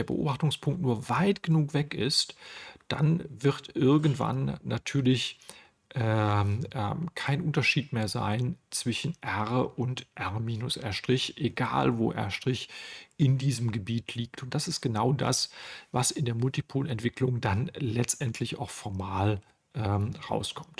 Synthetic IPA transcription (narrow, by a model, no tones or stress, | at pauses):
eːɐbə̰ʔo̰ːbaχtʊŋspʰʊŋktnuːɐvaɪtɡ̥ənuːkv̥ɛkɪ̰std̥a̰nvɪʁtʔɪɐɡn̩tv̥a̰nːatʰyːɐlɪç | ʔɛʔɛkʰaɪnʔʊntɐʃiːtmeːɐza̰ɪnt͡sv̥ɪʃn̩ʔɛʁəʔʊntʔɛʁmiːnʊsʔɛ̰ɐʃtʁ̥ɪçʔeɡa̰ːlvo̰ːʔɛ̰ɐʃtʁ̥ɪçʔɪndiːzəmɡəbiːtʰliːktʊnt̚d̥asɪst̚ɡ̥ənaʊda̰svasɪndeːɐmʊltipʰoːlʔɛntv̥ɪkʰlʊŋdanlɛt͡stʔɛntʰlɪça̰ʊxfɔɐmaːl | ʔɛːmʁa̰ʊskʰɔmt